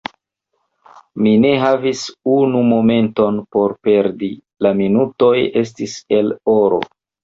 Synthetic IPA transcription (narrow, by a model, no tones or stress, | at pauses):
mine̞ɦavisunumo̞me̞nto̞npo̞ɾpe̞ɾdi | laminuto̞je̞s̬tise̞lo̞ɾo̞̰